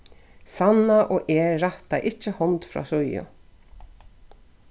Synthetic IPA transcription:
sanːaʔɔːʔeːaht̪aʔɪht͡ʃːəhɔnt̪fɾa̰ːsʊjʊ̰

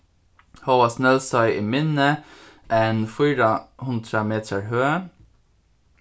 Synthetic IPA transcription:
hɑːʋɑːsnɛlsɑɪʔiːmɪnəʔeːnfʊːɾəhʉnd̪ɾəmeːt̪ʰəɹhøːə

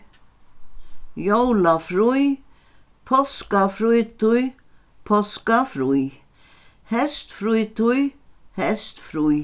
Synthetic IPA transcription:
jowlafɾuj | pʰɔskafɾujt̪uj | pʰɔskafɾuj | hɛst̪fɾujt̪ujhɛst̪fɾuj

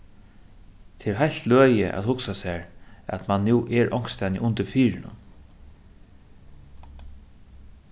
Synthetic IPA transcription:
t̪ʰeɛɾɦajl̥t̪løːjəʔæ̰t̪hʊksasæːɹæ̰t̪manːuːʔɛɹʔɔŋ̥kst̪ɛnjɪ̰ʔʊnt̪ɪɾfiːɹɪnʊ̰n

